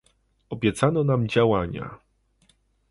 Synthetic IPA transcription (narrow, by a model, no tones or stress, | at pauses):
ɔbʲjɛt̪sanɔnamd͡ʑawaɲa̰